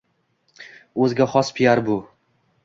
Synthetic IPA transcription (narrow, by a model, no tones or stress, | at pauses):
ɵzɡʲaχɒspʰɪjaɾbʊ